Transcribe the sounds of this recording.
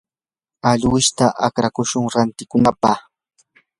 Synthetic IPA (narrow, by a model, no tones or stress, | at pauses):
aʎwɪʃt̪aʔa̰kɾakʊʃʊŋɾant̪ɪkʊnapaχ